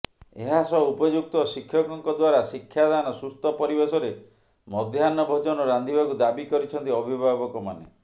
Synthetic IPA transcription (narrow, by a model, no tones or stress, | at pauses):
eɦasɔupɔd͡ʒuk̚t̪ɔsikʰːjɔkɔŋkɔd̪waɾasikʰːjad̪anɔsust̪ɔpɔɾibesɔɾe | mɔd̪ʱjanːɔbʱɔd͡ʒɔnɔɾand̪ʱibakud̪abikɔɾit͡ʃʰɔnt̪iɔbʱibʱaβɔkɔma̰nḛ